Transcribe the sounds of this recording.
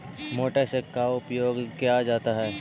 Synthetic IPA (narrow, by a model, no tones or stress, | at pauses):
moːʈesekːaʊpjoːɡkijad͡ʒaːt̪aɦɛː